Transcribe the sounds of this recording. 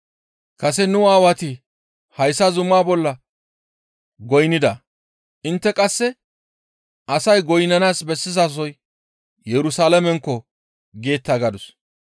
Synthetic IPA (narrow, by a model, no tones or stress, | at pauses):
kɐsɛnʊaːwɐt̪ɪ | hɐjsːɐzʊmːaːbɔlːɐ | ɡɔjnɪd̪ɐ | ʔɪnt̪ːɛkʼɐsːɛ | ʔɐsɐjɡɔjnɐnaːsbɛsːɪzaːs̬ɔj | jɛɾʊsaːlɐmɛŋkːɔ | ɡe̞ːt̪ːaɡɐd̪ʊs